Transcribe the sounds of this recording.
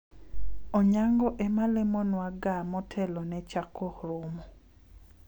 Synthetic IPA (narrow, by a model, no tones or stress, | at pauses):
oɲaŋɡɔʔemalemɔnwaɡamɔtʰɛlɔnɛt͡ʃakʰohɾʊmɔ